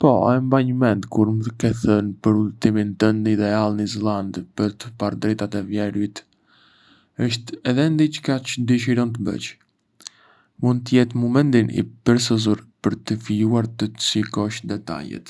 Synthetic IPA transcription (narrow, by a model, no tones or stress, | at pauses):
pɔ̰ɛmbaɲəmɛnt̪kuɾmətəkɛθənpəɾulət̪imint̪ənnid̪ɛalˠnizɛlˠand̪pəɾt̪əpaɾd̪ɾɛt̪at̪ɛvjɛɾwit̪ | əʃt̪ɛðɛnd̪it͡ʃkat͡ʃəd̪əʃ̬iɾɔnt̪əbə̰t͡ʃ | mund̪̚t̪əjɛt̪mɔmɛnd̪inḭpəɾs̬əzuɾpəɾt̪əfijuaɾt̪əsikɔʃd̪ɛt̪a̰jɛ̰t̪